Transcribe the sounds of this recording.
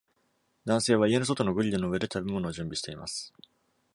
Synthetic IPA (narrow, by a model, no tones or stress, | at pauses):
d̪ãse̞ːβ̞aie̞no̞s̬o̞t̪o̞no̞ɡɯ̟ʎʲːɯnoɯ̟e̞d̪e̞t̪abe̞mo̞no̞ːʑɨ̃mbʲiɕi̥t̪e̞ima̰sɨ̥